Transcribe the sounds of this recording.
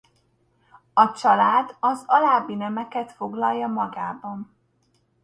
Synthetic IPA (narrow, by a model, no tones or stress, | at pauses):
ɒt͡ʃɒlaːd̪ɒzɒlaːbinɛmɛkɛt̪fo̞ɡlɒlːɒmɒɡaːbɒn